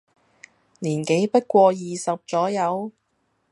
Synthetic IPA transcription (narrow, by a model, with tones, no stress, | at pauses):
liː˨˩nke˨˥jpɐ˥t̚kʷɔː˧jiː˨sɐ˨p̚t͡sɔː˨˥jɐ˨˧w